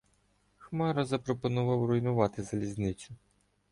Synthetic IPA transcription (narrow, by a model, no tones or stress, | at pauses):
xmɑɾɐzɐpɾɔpɔnʊʋɑwrɔjnʊʋɑt̪ɪzɐlʲizʲnɪt͡ʃʲʊ